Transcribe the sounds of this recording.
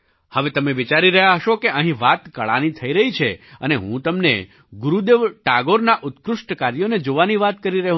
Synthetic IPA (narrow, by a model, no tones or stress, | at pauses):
həʋet̪əmeʋit͡ʃaɾiɾəɦjaɦəʃokeʔəɦĩʋat̪kəɭa̰nit̪ʰəiɾəɦit͡ʃʰeəneɦũt̪əmnḛ | ɡʊɾud̪eʋʈaɡoɾnaʔʊt̪kɾʊʃʈəkaɾjoned͡ʒoʋaniʋat̪kəɾiɾəɦ